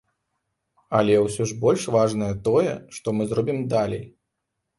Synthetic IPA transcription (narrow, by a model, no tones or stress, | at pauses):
ɐlʲɛwsʲɔʐbɔlʲʂvaʐnɐjɐt̪ɔjɛ̰ʂt̪ɔmɨzrɔbʲimd̪alʲɛ̰j